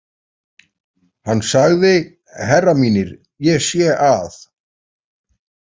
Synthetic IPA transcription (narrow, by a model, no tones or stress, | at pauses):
hanːsaɣðɪ | hɛrːamiːnɪɾ | jɛɣsjɛʔaθ